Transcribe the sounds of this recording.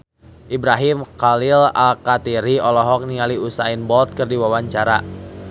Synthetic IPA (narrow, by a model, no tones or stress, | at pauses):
ʔibɾaɦimkalɪla̰lkat̪iɾiɔlɔɦɔk̚niŋaliusainbɔlt̪̚kɨrdiwawaɲt͡ʃaɾa